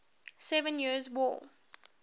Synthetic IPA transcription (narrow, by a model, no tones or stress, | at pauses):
sɛvə̃njiəzwɔ̰ː